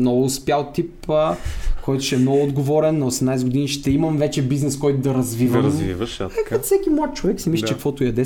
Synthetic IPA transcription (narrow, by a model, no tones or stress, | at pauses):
nɔɡʊspjalˠt̪ipəkɔjt̪ʊ̥ʃɛmnɔɡʊːd̪ɡovɔɾɛnːosɛmnajsɡʊd̪iniʃt̪ɛimɐmvɛt͡ʃɛbiznɛskɔjt̪ʊd̪ɐɾɐzvivəmḭvʃkaasɛkimɔt̪̚t͡ʃovɛksɛmisʲlʲit͡ʃt͡ʃɛkfvɔt̪ʊjɐd̪ɛ